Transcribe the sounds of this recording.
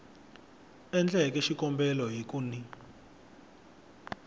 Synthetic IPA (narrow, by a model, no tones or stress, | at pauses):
ɛnd͡ɮɛk̬ɛʃikɔmbɛlɔɦikʼuni